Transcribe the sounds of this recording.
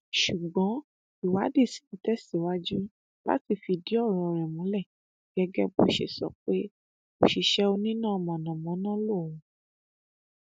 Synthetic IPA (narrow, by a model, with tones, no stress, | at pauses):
ʃu˨ɡ͡bɔ̃˨˦ | i˨wa˨˦de˦˨si̥˨˦ti˧˦tɛ˦si˦˨wa˦d͡ʒu˦ | ba̰˦ti˦˨fi˧di˨˦ɔ˦˨ɾ̃ɔ̃˧˨ɾɛ˨mũ˨˦lɛ˦˨ | ɡ̥ɛ˧ɡɛ˦bo˦ʃḛ˦˨sɔ̰˨k͡pe˦ | mo˦˨ʃi˨ʃɛ˦o˧nĩ˦nã˦˧˨mɔ̃˨nã˨mɔ̃˨˦nã˦lo˦˨w̃ũ˨˦